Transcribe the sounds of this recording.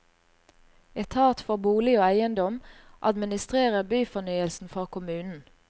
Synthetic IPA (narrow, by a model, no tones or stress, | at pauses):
ɛt̪ʰɑːt̪fɔʁbuːlɪoːæɪənd̪ɔmʔɑd̪mɪnɪst̪ʁeːʁəbyːfɔnyːəlsn̩fʁɔʁkʰʊmʉːnn̩